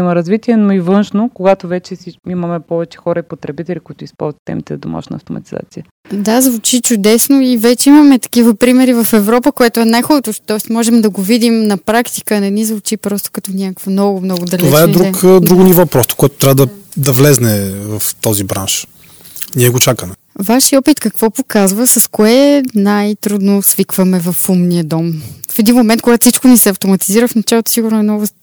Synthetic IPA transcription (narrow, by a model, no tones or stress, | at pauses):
imɐɾɐzvit̪iɛnoivɤnʃnokoɡat̪ovɛt͡ʃɛsiimɐmɛpɔvɛt͡ʃɛ̥xɔɾəipot̪ɾɛbit̪ɛlʲikʊit̪ʊispɔ̰lˠzvət̪ːɛ̰mit̪ɛzɐd̪oma̰ʃnə̰ːft̪omɐ̰t̪iza̰t̪siə | d̪azvʊt͡ʃit͡ʃʊd̪ɛsnoivɛt͡ʃɛimɐmɛt̪ɐ̥k̟ivəpɾimɛɾivɐfɛvɾɔpəkoɛt̪ʊɛnajxolˠt̪oʃt̪ɔɛsmɔʒɛmd̪ɐɡovid̪imnɐpɾakt̪i̥kəːnɛnizvʊt͡ʃipɾɔst̪o̥kɐt̪ɔnʲakkvɐmnɔɡʊmnɔɡʊd̪ɐlt̪oɛvaɛɾukd̪ɾuɡʊnivɔpɾɔst̪o̥koɛt̪o̥t̪ɾʲavəd̪ɐd̪ɐvlɛznɛvɐft̪ɔzibɾa̰nʃ | niɛɡot͡ʃakəmɛ | vaʃiɔpit̪kɐkv̥ɔpokazvəsɐskoɛnajt̪ɾud̪nosvikvəmɛvɐfumniəd̪ɔmfɛd̪inmomɛnt̪koɡat̪ʊfsit͡ʃkonisɛɐft̪omɐt̪iziɾəfnɐt͡ʃalˠot̪o̥siɡʊɾnʊɛmnɔɡʊ